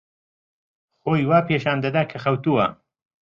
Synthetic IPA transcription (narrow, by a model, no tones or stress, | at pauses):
xoːjwaːpeːʃaːnd̪ɐd̪aːkʰɐxɐwt̪uwa̰